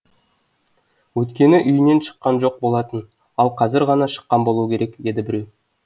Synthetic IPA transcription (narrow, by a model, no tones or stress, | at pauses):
wɵt̪kʲe̞nɪʔʏjne̞nʃə̥qːɑnʒo̞q̚bo̞lˠɑt̪ən | ɑlˠqʰɑzɪɾʁɑnɑʃə̥qːɑnbo̞lˠukʲʰe̞ɾe̞kd̪e̞d̪ɪbɪɾe̞w